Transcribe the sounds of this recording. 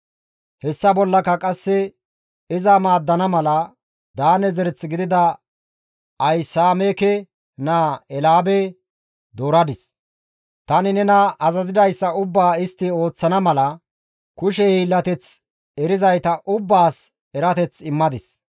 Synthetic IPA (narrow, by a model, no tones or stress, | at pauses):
hɛsːɐbɔlːɐkɐkʼɐsːɛ | ɪzɐmaːd̪ːɐnɐmɐlɐ | d̪aːnɛzɛɾɛt͡sːɡɪd̪ɪd̪ɐ | ɐjsaːmeːkɛ | naɛlaːbɛ | d̪oːɾɐd̪ɪs | t̪ɐnɪnɛnɐɐzɐzɪd̪ɐjsːɐʊbːaːɪst̪ːɪo̞ːt͡sːɐnɐmɐlɐ | kʊʃ̬ɛhiːlːɐt̪ɛt͡s | ɛɾɪzɐjt̪ɐʔʊbːaːs | ɛɾɐt̪ɛt͡sɪmːɐd̪ɪs